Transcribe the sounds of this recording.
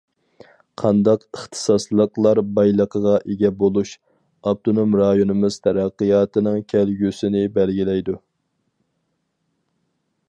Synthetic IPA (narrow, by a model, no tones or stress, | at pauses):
qʰɑnd̪ɑqəχt̪ʰɨ̥sɑslˠəqlˠɑɾbɑjlˠəqʰəʁɑʔeɡʲɛbolˠuʃ | ɑb̚t̪ʰonomɾɑjonɨmɨz̥t̪ʰɛɾæqːijɑːt̪ʰɨnɨŋkʲʰælɡʲysɪnɪbɛlɡʲilɛjd̪u